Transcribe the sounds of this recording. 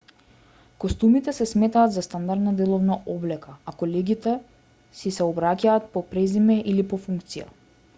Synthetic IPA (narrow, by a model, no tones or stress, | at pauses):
kɔst̪umit̪ɛsɛsmɛt̪aːd̪zast̪and̪aɾd̪nad̪ɛlˠɔvnaɔblɛkaakɔlɛɡʲit̪ɛ | sisɛɔbɾacaːt̪̚pɔpɾɛzimɛʔilipɔfuŋkt̪sija̰